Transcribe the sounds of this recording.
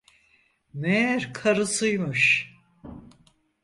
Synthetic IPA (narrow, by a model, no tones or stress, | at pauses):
mejæɾkʰaɾɯsɯjmɯʃ